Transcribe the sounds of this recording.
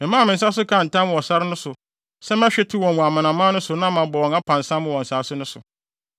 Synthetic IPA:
mɪ̃˨mã˦˨mɪ̃˨s̬a˦s̬ʊ˦kʰã˦˨n̩˨tã˦m̃˦˨wɔ˨sa˦ɾɪ˦nʊ̃˦sʊ˨ | sɛ˦m˦ɛ̃˦ɕᶣɛ˦tʰu˦wɔ̃˨wũ˨a˨mã˨nã˨mã˦nʊ̃˦sʊ˨nã˦mã˨bɔ˨wɔ̃˨a˦pʰã˨n̩˨sã˦mːʊ̃˦˨wɔ̃˨n̩˨saː˨˦sʊ˦nʊ̃˦sʊ̰˨

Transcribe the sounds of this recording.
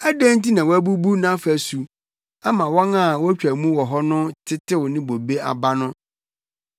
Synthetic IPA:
æ˦dæ̃˦n˦ti˦nã˨wɔ˦æ˦bu˦bu˦nã˦fæ˨su˨ | a˦mã˨wɔ̃˦na˦˨wɔ˦æ˦t͡ɕᶣæ˨mũ˦wɔ˨ɦɔ˦nʊ̃˦tʰɪ˦tʰɪ˦wʊ˨nɪ̃˦bo˨be˦a̰˨ba˦nʊ̃˦

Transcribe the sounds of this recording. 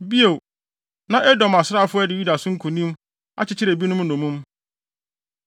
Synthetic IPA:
bi˦o˨ | nã˦ʔɛ˦dɔ˨ma˨sɪɾa˦˨fʊ˦ɛ˦dɪ˨ju˦da˨sʊ̃˦ŋ̩˦kʰũ˨nĩ˦m | a̰˦t͡ɕʰɪ˦t͡ɕʰɪ˦ɾe˨bi˦nʊ̃˦m˦nɔ̃˨mũ˦m

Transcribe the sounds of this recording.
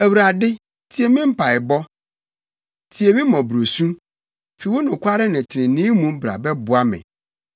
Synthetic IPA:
æ˨wu˨ɾa˨dɪ˦ | tʰi˨e˨mɪ̃˦m̩˦pʰa˨ɪ˨bɔ˦ | tʰi˨e˨mĩ˦mɔ̃˨bɾo˨sũ˦ | fi˨wo˦nʊ̃˨kʷʰa˦ɾɪ˦nɪ̃˨tʰɪ˨ɾɪ̃˨nɪ̃ː˦mũ˦m˦bɾa̰˨bɛ˦bʊ˦a˦mɪ̰̃˨

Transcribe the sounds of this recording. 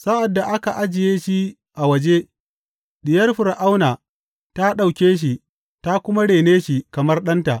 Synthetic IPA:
sa˦ʔa˨dːa˨ʔa˦ka˨ʔa˦d͡ʒɪ˨jeː˦ʃi˦ | ʔa˨wɐ˨d͡ʒe˦ | ɗɪ˨jɐ˦rɸʊ˨ɾʔa˦wnaː˨ | ta˦ɗa˨wkʲeː˦ʃ̬i˨ | ta˦kʷʊ˦ma˦ɽeː˨neː˦ʃi˨kɐ˨mɐ˦rɗɐ˦nta˨ʔ

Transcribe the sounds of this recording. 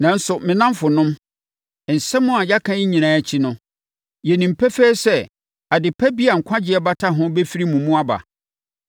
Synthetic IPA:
nã˨n̩˦sʊ˨mɪ̃˨nã˦m˦fʊ˨nʊ̃˦m˨ | n̩˨sɛ˦mʊ̃˦a˨ja˦kʰã˦i˦ɲĩ˨ñãː˨˦æ˨t͡ɕʰi˦nʊ̃˦ | jɛ˨nĩ˨m̩˨pʰɛ˦fɛː˦sɛ˦ | a˨dɪ˨pʰɛ˦bi˦a˨ŋ̩˨kʷʰã˦d͡ʑɪ˦ɛ˦ba˦tʰa˦ɦʊ̃˦bɛ˦fi˦ɾi˦mũ˨mũ˦a˦ba̰˨

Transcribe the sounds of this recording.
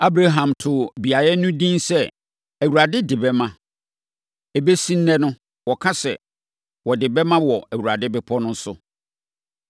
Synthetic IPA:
a˦bɾa˦ɦã˨mtʰʊ˨bi˨a˨jɛ˦nʊ̃˦dĩ˦nsɛ˦ | æ˨wuɾa˨dɪ˦dɪ˨bɛ˦mã˦ | ɛ˨be˦sĩ˦n̩ː˦ɛ̃˦nʊ̃˦ | wɔ˨kʰã˦sɛ̰˨ | wɔ˨dɪ˨bɛ˦mã˦wɔ˨æ˨wu˨ɾa˨dɪ˦bɪ˦pʰɔ˦nʊ̃˦n̩˦sʊ˦

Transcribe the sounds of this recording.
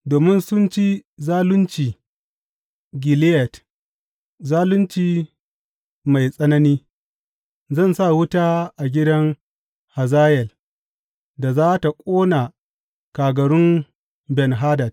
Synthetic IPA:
doː˨mɪ˦nsʊ˦nt͡ʃi˦zaː˦lʊ˦nt͡ʃiː˨ | ɡʲɪ˨lɪ˦jɛ˨t | zaː˦lʊ˦nt͡ʃiː˨ | ma˨jsʼɐ˦nɐ˦niː˦ | zɐ˦˨nsa˦˨wʊ˦taː˦ʔa˨ɡʲɪ˦dɐ˦ŋ | ha˨zaː˦jɛ˨l | da˨zaː˦ta˨kʷʼoː˦na˨ | kaː˨ɡɐ˨ɽʊ˦n | bɛ˨nɦaː˦dɐ˨t̚

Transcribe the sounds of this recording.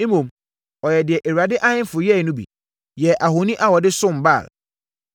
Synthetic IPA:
ĩ˦mũ˨m | ɔ˨jɛ˨dɪ˨ɛ˨ʔe˨ɥa˨dɪ˦ʔa˦ɲɪ̃˦n˦fʊ˨jɛ˦˨˦nʊ̃˦bḭ˨ | jɛ˨ʔa˨ɦo˨nĩ˦ʔa˦wɔ˨dɪ˦sʊ̃˦˨m̩˨ba̰˦˨l

